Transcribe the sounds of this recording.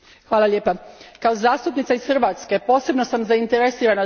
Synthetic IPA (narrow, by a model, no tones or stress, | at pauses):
xʋaːlˠaʎʲje̞ːpakaozaːst̪upnit̪saisxr̩ʋat̪ske̞po̞ːse̞bno̞samzaint̪e̞ɾesiːɾana